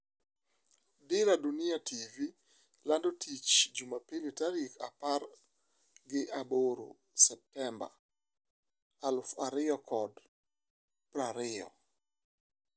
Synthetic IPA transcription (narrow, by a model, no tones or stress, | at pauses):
dɪɾadunɪatʰivi | landotʰit͡ʃd͡ʒumapiletaɾika̰par | ɡɪʔaboɾo̰ | sɛp̚tɛmba̰ | alʊfaɾɪɔkʰɔd | pɾaɾɪɔ̰